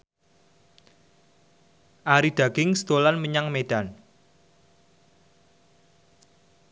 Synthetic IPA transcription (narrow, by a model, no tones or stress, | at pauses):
ʔaɾid̪̥a̤ɡ̥ɪŋst̪olanməɲaŋmed̥an